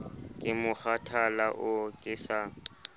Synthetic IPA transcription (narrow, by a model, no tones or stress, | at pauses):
kʼɪmʊk͡xatʰalaʔʊkʼɪsaːŋ